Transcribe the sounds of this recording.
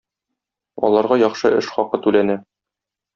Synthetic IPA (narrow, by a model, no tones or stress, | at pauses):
ɒ̰lˠɑɾʁɑjɒχʃɤʔɘʃχɒqɤt̪ʉlænæ